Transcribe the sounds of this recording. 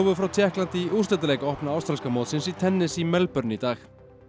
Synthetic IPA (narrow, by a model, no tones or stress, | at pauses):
vʏfɾawt̪ʰjɛhklant̪ɪiust̪ɛnt̪̬alejkaɔhpnaawst̪ɾalskamoːt̪sɪnsit̪ʰɛnːɪsimɛlpœɾnɪit̪aːx